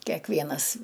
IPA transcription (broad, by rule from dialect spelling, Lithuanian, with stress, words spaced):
kʲɛˈkʋʲiɛnɐs